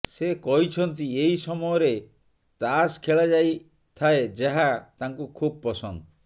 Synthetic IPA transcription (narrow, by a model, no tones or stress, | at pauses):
sekɔɦit͡ʃʰɔnt̪̬ieisɔmɔjɔɾe | t̪askʰeɭad͡ʒaj | t̪ʰaed͡ʒeɦat̪aŋkukʰub̚pːɔsɔnd̪ɔ